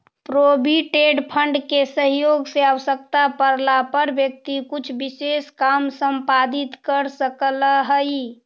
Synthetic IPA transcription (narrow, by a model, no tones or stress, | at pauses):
pɾobiʈeɖpʰəɳɖkesəɦjoɡseaʋəsək̚t̪apəɾlapəɾbjək̚t̪ikut͡ʃʰbiseskamsəmpad̪it̪kəɾsəkələɦəj